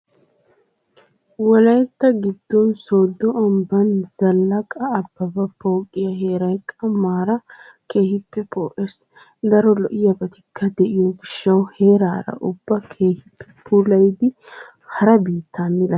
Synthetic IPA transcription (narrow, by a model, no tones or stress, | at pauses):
wɔlɐjt̪ːɐɡɪd̪ːɔnsoːd̪ːɔɐmbɐnz̥ɐlːɐkʼɐːbːɐbɐpo̞ːkʼːɪjɐhe̞ːɾɐjkʼɐmːaːɾɐ | ke̞ːhɪpːɛpoːʔes | d̪ɐɾɔlɔʔɪjɐbɐt̪ɪkʰːɐd̪ɛʔɪjɔɡɪʃːɐwhe̞ːɾaːɾɐ̰ʔʊbːɐkʰe̞ːhɪpːɛ̥pʰuːlɐjd̪ɪ | hɐɾɐbiːt̪ːamɪlɐ